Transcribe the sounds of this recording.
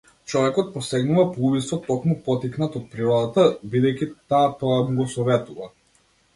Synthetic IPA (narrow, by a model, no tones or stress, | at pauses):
t͡ʃɔvɛkɔt̪̚pɔsɛɡnuvapˠubisvɔt̪ɔkmupɔt̪iknat̪ɔt̪̚pɾiɾɔd̪at̪abid̪ɛjcit̪aːt̪ɔjamuɡɔsɔvɛt̪uva̰